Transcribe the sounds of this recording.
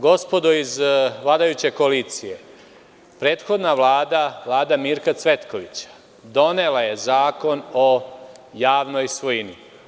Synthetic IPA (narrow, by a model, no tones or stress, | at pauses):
ɡo̞spo̞d̪uizʋlˠaːd̪ajut͡ɕe̞koaliːt̪sije̞ | pɾe̞ːt̪xo̞d̪naʋlˠaːd̪aʋlˠaːd̪amiːɾkat̪sʋe̞t̪ko̞ʋit͡ɕḁ | d̪o̞ne̞laje̞zaːko̞no̞jaːʋno̞jsʋojini